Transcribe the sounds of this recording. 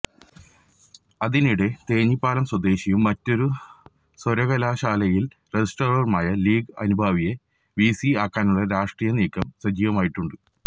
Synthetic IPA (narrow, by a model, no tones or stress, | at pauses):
ɐðiniɽe̞t̪e̞ːɲipːaːlɐmswɐd̪e̞ːɕijumːɐtːo̞ɾu | soɾɐɣɐlaːɕaːlɐjil | resisʈorɐrumaːjɐliːɡɨɐnubʱaːʋije̞ | ʋiːsiaːkːaːnuɭːɐɾaːʂʈriːjɐniːkːɐmsɐd͡ʑiːʋɐmaːjiʈːuɳɖɨ